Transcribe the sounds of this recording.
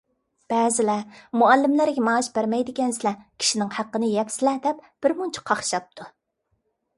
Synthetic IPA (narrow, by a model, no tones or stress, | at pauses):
b̥ɛːzɪlɛmuɛlːɪmlæɾɡʲɛmɑːʃbæɾmɛjd̪ɪkʲɛnsɪlɛkʲʰi̥ʃinɪŋhæqːənɨjɛpsɪlɛd̪ɛpb̥ɪɾmunt͡ʃʰɪ̥qʰɑχʃɑp̚t̪ʰu